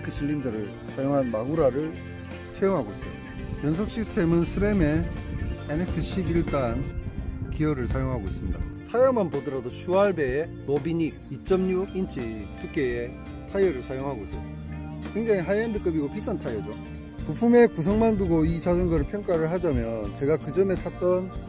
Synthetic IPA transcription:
kʰɯɕʰiʎːindɯɾɯɭ | sʰajoŋɦanmaɡuɾaɾɯɭ | t͡ɕʰajoŋɦaɡois͈ʌjo | jʌns̬ʰok̚ɕ͈ʰisʰɯ̥tʰe̞mɯnsʰɯbeme̞ | enek̚tʰɯɕʰibiɭt͈ankiʌɾɯɭsʰajoŋɦaɡois͈ɯmɲida̰tʰajʌmanpodɯɾadoɕʰuaɭbe̞ː | nobiɲiɾit͡ɕ͈ʌmɲuint͡ɕ͈ʰit͈ʰɯk͈ee | tʰajʌɾɯɭsʰajoŋɦaɡois͈ʰʌj | kweŋd͡ʑaŋiɦajendɯk͈ɯbiɡopʰis͈ʰantʰajʌd͡ʑo | kɯpʰume̞kus̬ʰʌŋmanduɡoit͡ɕad͡ʑɯŋɡaɾɯɭpʰjʌŋk͈aɾɯɭɦad͡ʑamjʌnt͡ɕe̞ɡakɯd͡ʑʌne̞tʰat͈ʌn

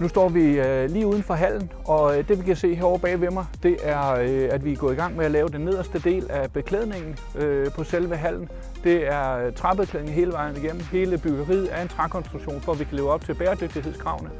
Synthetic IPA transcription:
nusd̥ɒ̰ːʋiliːuð̞ˠn̩fɒ̽ɦæl̰n̩ | ɒ̽d̥e̝ʋekʰææse̝̰ːɦeæɐɒ̰b̥ɛ̰ːʋe̝mɑɪd̥e̝ʔæɐøæd̥ʋiɡ̥ɔ̰̽ːiɡ̥ɑ̈ŋ̰meælɛːʊd̥enːe̝ð̞̰ˠɐsd̥əd̥e̝̰ːlæb̥e̝kʰleð̰ˠne̝ŋn̩ | øpʰɒ̽selʋəɦæl̰n̩ | d̥e̝æɐt͡sʰʁɑ̈b̥ekʰleðˠne̝ŋ̩ɦe̝ːləʋɑ̈ɪ̰n̩ˠiɡ̥em̰m̩he̝ːləb̥yɡ̥ɐʁið̩ˠæɐe̝nt͡sʰʁɑkʰɒ̽nsd̥ʁuɡ̥ɕo̝̰ːnfɒʋikʰæle̝ːʊɒ̽b̥̚t͡sʰe̝lb̥eːɐd̥øɡ̥̚d̥iɦeð̰ˠskʰʁɑ̈ʊnə

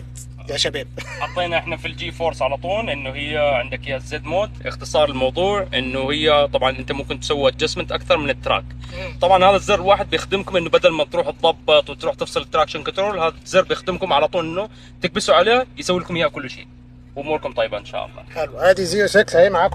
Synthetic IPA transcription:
jaʃabaːb̚ħɑt̪ˤːeːnaʔɪħnafild͡ʒiːfoːɾsʕalat̪ˤuːnʔɪnːʊhɪjːaʕɪnd̪akjazːeːd̪moːt̪ʔɪ̰xt̪ɨsˤɑːɾˤɪlmɑwðˤuːʕʔɪnːʊhɪjːat̪ˤɑbʕɑnʔɪnt̪amʊmkɪnt̪ːsawːiʔad͡ʒasmɪnt̪ʔakθɑɾˤmɪnɪt̪ːɾa̰ːkt̪ˤɑbʕɑnhaːðazːɪrːˤwaːħɪd̪̚bjɪxd̪ɪmkʊmʔɪnːʊbad̪almat̪ɾuːħt̪ðˤːɑbːɨt̪ˤwɪt̪ɾuːħt̪ɨfsˤɨlɪt̪ːɾaːkʃankʊnt̪ɾoːlhaːðzːɑrbɪjɪxd̪ɪmkʊmʕalat̪ˤuːnʔɪnːu | t̪ɪɡ̚bɪsuʕaleːjsawːilkʊmjakʊlːʃḛː | wʔʊmuːɾkʊmt̪ˤɑjːbaʔɪnʃa̰ːʔɑ̰lˤːɑ̰ːħɪlwhaːd̪iziːɾʃaklhiːmaʕaːk

